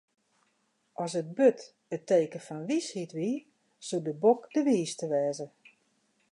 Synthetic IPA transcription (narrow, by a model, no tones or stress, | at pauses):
ʔɔsət̚bøt | əteːkəfɔnʋishitʋi | sudəbokd̥əʋiːstəʋɛːzə